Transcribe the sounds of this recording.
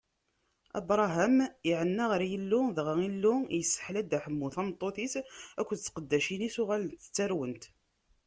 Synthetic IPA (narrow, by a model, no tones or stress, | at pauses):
ɑ̰bɾˤɑɦæmiʕənːæʁəɾjəlːʊðəʁæilːʊjəsːə̥ħlæd̪æħəmːuθɑmt̪ˤːoθisækʷːt͡sːqəd̪ːæʃinisʊʁælənt̪ə̥t͡sːæɾwənt̪